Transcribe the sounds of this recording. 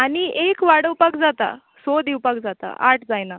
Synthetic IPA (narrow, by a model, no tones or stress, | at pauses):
aɽ̃iʔekʋaɽəwpakd͡zat̪a̰ | sod̪iwpak̚d͡zat̪a̰ʔaʈʰd͡zajna